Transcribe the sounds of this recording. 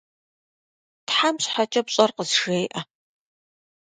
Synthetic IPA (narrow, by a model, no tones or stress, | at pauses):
tħamɕħat͡ʃʼɐpɕʼɐrqəzʒejʔɐ